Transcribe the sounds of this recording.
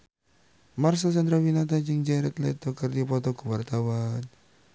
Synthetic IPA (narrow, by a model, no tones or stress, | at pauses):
mars̬at͡ʃand̪ɾawinat̪ad͡ʒəŋd͡ʒaɾɛt̪lɛ̰t̪ɔkərd̪ipɔt̪ɔɡṳwart̪awan